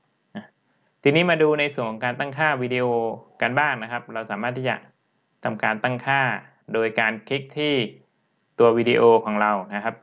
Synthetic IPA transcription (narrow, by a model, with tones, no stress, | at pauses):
ʔa˧˩ | t̪iː˧niː˦˥maː˧duː˧na˧jsu˨˩ənkʰɔː˨˦ŋkaː˧nt̪a˥˩ŋkʰaː˥˩wiː˧diː˧ʔoː˧ka˧nbaː˥˩ŋna˦˥kʰa˦˥p̚ɾa˧wsaː˩˦maː˥˩t̪ʰːiː˥˩t͡ɕa̰˨˩ | t̪ʰa˧mkaː˧nt̪a˥˩ŋkʰaː˥˩ | doː˧jkaː˧nkʰi˦˥k̚t̪ʰiː˥˩ | t̪u˧ɐwiː˧di˧ʔoː˧kʰɔː˩˦ŋɾa˧wna˦˥kʰa˦˥p̚